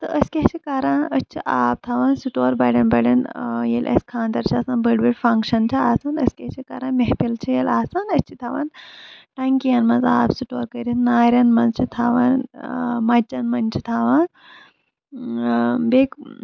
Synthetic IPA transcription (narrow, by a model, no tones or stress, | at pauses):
t̪ɨʔəskʲeɦt͡ʃʰikaːɾaːnɐt͡ʃʰiʔaːp̚t̪ʰaʋɐnsuʈoːɾbɐɽʲɐnbɐɽɐnjelʲʔɐ̰sʲkʰaːnd̪ɐɾt͡ʃʰiɐsãːnbɐɽbiɽfɐŋkʂɐnt͡ʃʰiaːsɐnɐskʲeht͡ʃʰika̰ːɾaːnmeɦpilt͡ʃʰijelaːsɐnɐt͡ʃʰi̥t̪ʰɐʋɐ̰nʈɐŋkijɐnmɐnzaːbsuʈoːɾkɐɾinnaːɾʲɐnmɐnzt͡ʃʰit̪ʰaːʋɐnmɐt͡ʃːɐnmɐnt͡ʃʰit̪ʰaːʋaːn | bek